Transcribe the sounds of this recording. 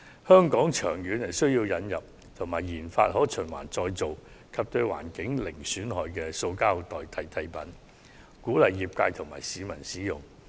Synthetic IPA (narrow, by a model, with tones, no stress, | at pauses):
hœː˥ŋkɔː˨˥ŋt͡ʃʰœː˨˩ŋjyː˨˥nhɐ˨˩jsɵ˥ɥjiː˧wjɐ˨˧njɐ˨p̚ | t̪ʰʊ˨˩ŋmaː˨˩jːiː˨˩nfa̰ː˧t̚ɦɔː˨˥t͡ʃʰɵ˨˩nwa̰ː˨˩nt͡sɔː˧jt͡so˨w | kʰɐ˨p̚t̪ɵ˧ɥwa̰ː˨˩nkɪ˨˥ŋlɪ˨˩ŋsyː˨˥nɦɔː˨jkɛː˧so˧wkaː˥wt̪ɔː˨jt̪ʰɐ˨˧jt̪ʰɐ˨˧jpɐ˨˥n | kuː˨˥lɐ˨jːiː˨p̚kaː˧jt̪ʰʊ˨˩ŋmaː˨˩jsiː˨˧mɐ˨˩nsiː˨˥jʊ̰˨˩ŋ